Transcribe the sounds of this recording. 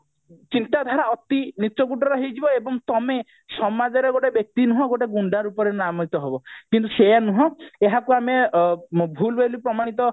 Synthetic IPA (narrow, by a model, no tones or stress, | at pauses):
t͡ʃint̪ad̪ʱaɾaɔt̪init͡ʃɔɡuʈɔɾɔɦejd͡ʒibɔebɔŋt̪ɔme | sɔmad͡ʒɔɾeɡoʈebjɔk̚t̪inuɦɔ̃ɡoʈeɡuɳɖaɾupɔɾenamɔit̪ɔɦebɔkint̪usejanuɦɔ̃eɦakuame | bʱulbelipɾɔmaɽ̃it̪ɔ